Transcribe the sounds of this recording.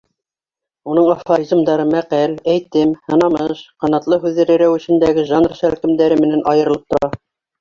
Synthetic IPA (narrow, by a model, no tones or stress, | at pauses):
unɤɴɑfoɾʲiz̆md̪ɑɾɤmæqælæjt̪ɘmhɤ̆nɑmɤʃqɑnɑt̪lˠɤɦʉðːɘ̆ɾæ̆ɾæwɘ̆ɕɘ̆nd̪æɡɘʒɑnrʃælkɘ̆md̪æɾɘmɘ̆nænʔɑjɤ̆ɾɤ̆lˠɤp̚t̪ŏɾɑ